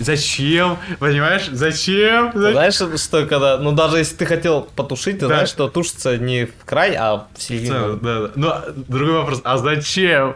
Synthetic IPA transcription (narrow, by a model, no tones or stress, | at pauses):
zɐt͡ɕempənʲɪmajɪʂzɐt͡ɕemzɐznajɪʂʂt̪okɐɡd̪anud̪aʐɨjesʲlʲɪt̪ɨxɐtʲe̞lˠpət̪ʊʂɨt̚ʲt̪ɨznajɪʂt̪o̞t̪uʂɨ̥t̪sənʲɪfkɾajɐ̰fsʲɪlʲvʲid̪ad̪anod̪ɾʊɡo̞jvɐpɾo̞sɐzɐt͡ɕem